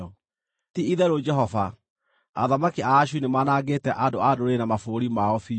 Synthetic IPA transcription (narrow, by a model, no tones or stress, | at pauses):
ɔ | tiiðɛɾod͡ʒɛɦɔfa | a̰ðamakiaːɕunemaːnaɡeːtɛʔadoadoɾenamafoɾimaɔfi